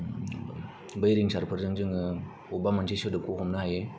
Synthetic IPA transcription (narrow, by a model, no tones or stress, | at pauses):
bɯjɾiŋsaɾpʰɯɾzɯŋd͡ʒɯŋɯ | obamantʰesɯdɯp̚kokʰɔmnɯɦaje